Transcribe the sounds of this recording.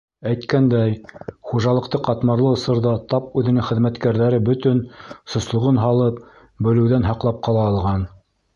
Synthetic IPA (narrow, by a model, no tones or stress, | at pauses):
æjt̪kænd̪æjχuʒɑlˠɤ̆qt̪ɤqɑt̪mɑɾlˠɤŏsɤ̆ɾðɑt̪ɑp̚ʉðɘ̆nɘŋχɘ̆ðmæt̪kæɾðæɾɘbɵ̆t̪ɵnsŏslˠŏʁɤnɦɑlˠɤp̚ | bɵ̆lɘ̆wðænɦɑqlˠɑp̚qɑlˠɑːlˠʁɑn